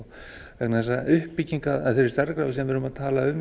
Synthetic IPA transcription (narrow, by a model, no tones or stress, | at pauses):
vɛknaðɛsaʏhpːiciŋkaða̰ðθejɾɪ̥ɾst̪aɾkɾawvɪsɛmvɪɾʏmaðt̪ʰaːlaʏm